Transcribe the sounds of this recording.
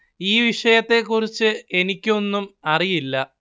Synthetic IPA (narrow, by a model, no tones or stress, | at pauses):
iːʋiʂɐjɐt̪ːe̞kːurit͡ɕːɨe̞nikʲːo̞nːumɐrijilːɐ